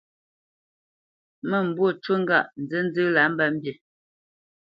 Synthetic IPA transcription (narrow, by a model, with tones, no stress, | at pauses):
mə˨m̩˨bwo˦˨t͡ʃwə˦ŋ̩˦ɡa̰˦˨ʔn̩˨d͡zə˦n̩˦d͡zɨ˦la˨˦m̩˦ba˦˨m̩˦bje˨